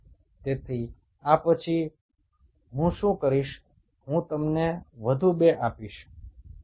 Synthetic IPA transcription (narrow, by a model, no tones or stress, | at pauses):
t̪et̪ʰi | apət͡ʃʰi | ɦũʃũkəɾiʃ | ɦũt̪əmneʋəd̪ʱũbeʔapiʃ